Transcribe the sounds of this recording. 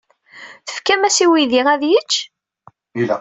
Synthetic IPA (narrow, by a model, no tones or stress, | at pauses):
θə̥fkæmæsiwiðiʁæðjət͡ʃː | ilæ̰